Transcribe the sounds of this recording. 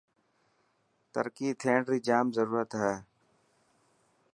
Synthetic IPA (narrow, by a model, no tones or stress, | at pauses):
t̪ə̰ɾkiːt̪ʰeːɳɳɖɾiːd͡ʒaːmzəɾuːɾət̪ɦɛː